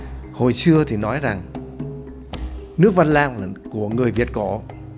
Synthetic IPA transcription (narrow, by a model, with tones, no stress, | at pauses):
ho˨˩jsɨ˧ət̪ʰi˨˩nɔ˨˦jza˨˩ŋ | nɨ˦˥ək̚va˧nlaː˧nː˨˩ku˧˩əŋɨ˨˩əjvi˨˩ət̚kɔ˨˦